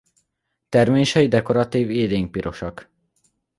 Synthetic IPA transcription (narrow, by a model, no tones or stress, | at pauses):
t̪ɛrmeːʃɛjid̪ɛko̞ɾɒt̪iːveːd̪eŋk̚piɾʔo̞ʃɒk